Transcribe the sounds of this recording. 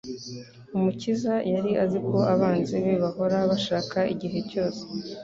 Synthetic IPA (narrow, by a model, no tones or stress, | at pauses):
umucizajaɾiʔaziko̞aβaːnzeβeβaho̞ɾaβaʃaːkaʔiɟiɦe̞co̞ːse̥